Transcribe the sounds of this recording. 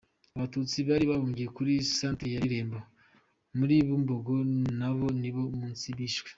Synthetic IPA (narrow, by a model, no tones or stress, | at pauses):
aβatut͡siβaːɾiβaβoːɲɡijekuɾisaːntejaɾiɾe̞ːmbo | muɾiːβumboɡonaβo̞niβo̞muːnt͡siβiːʃwe̥